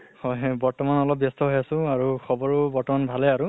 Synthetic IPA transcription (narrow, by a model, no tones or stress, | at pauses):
hɔjbɔɹtɔmanɔlɔp̚bjɔstɔɦojasʊ̃aɹukʰɔbɔɹubɔɹtɔmanbʱalɛaɹu